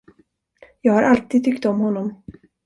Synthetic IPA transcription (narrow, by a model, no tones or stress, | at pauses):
jɑːɡhaɾʔalt̪iːd̪̚t̪ʰʏkt̪ɔmhɔnːɔm